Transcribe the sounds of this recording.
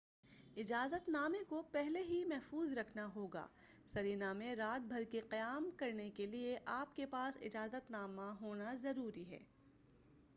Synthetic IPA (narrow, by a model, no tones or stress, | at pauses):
ɪd͡ʒaːzət̪naːmẽkopɛɦleɦimɛɦfuːzɾɐkʰnaɦoːɡa̰ː | sɐɾiːnaːmẽɾaːt̪̚bʱɐɾkeqɐjaːmkɐɾnekelieʔaːpkepaːsɪ̰d͡ʒaːzət̪naːmaɦoːnazɐɾuːɾiɦɛ̰ː